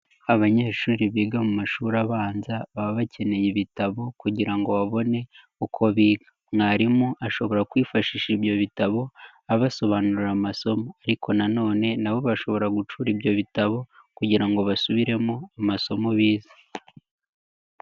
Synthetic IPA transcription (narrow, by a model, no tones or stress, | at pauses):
aβaɲe̞ːʃuːɾiβiːɡamumaʃuːɾaβaːnzaβaβacʰe̞ne̞jiβitaβo̞kuɟiɾaŋɡo̞βaβo̞ne̞ | ukʰo̞βiːɡḁ | ŋaɾimuaʃo̞βo̞ɾakwiːfaʃiːʃiβjo̞βitaβo̞ | aβaso̞βaːnuɾiɾamaso̞moaɾikʰo̞nano̞ːne̞naβo̞βaʃo̞βo̞ɾaɡut͡ʃuːɾiβjo̞βitaβo̞kuɟiɾaŋɡoβasuβiɾe̞moamaso̞moβiːzḁ